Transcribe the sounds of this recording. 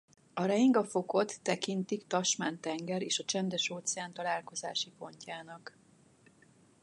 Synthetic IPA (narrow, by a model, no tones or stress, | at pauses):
ɒɾɛiŋɡɒfo̞ko̞t̪ːɛkint̪ikt̪ɒʃmaːnt̪ɛŋɡɛɾeːʃɒt͡ʃɛnd̪ɛʃoːt̪sɛaːnt̪ɒlaːlko̞za̰ːʃipo̞ɲcaːnɒk